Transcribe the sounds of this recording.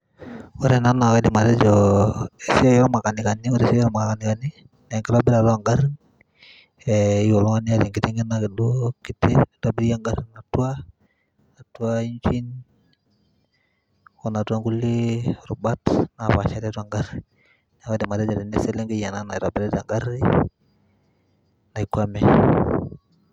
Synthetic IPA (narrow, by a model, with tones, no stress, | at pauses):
wo˦ɾɛ˦na˦na˨ka˦di˨ma˨tɛ˦d͡ʒɔ˨e˨si˦a˦jɔ˦lma˨ka˨ni˨ka˨ni˦wo˦ɾe˨sjma˨a˨ka˨ni˨ka˨ni˦ | na˨i˨ŋɡe˦ɾo˦bɛ˦ɾa˨ta˦˨ŋɡa˦ɾ | ɛi˦o˨lɔ˦ŋa˦ni˦a˦˨ɾi˨ŋɡi˨ti˦ŋɡe˦na˦ke˨do˦ki˦tːɛ˦ta˦bi˦ɾja˦ŋɡa˦ɾna˨tu˦a˦ | na˨tu˦a˦i˦nt͡ʃi˦n | o˨na˨twa˦ŋɡu˦lːi˦˨ɾu˨ba˦tna˨pa˨t͡ʃa˨˦ta˦twa˦˨ŋɡa˦ɾ | na˨ka˦di˨ma˨de˦d͡ʒa˨di˨ne˦se˦le˦ŋɡi˦ja˨na˦na˨i˨ta˨be˦ɾɛ˦da˨ŋɡa˦ɾi˦ | na˨i˨kwa˦mɛ˦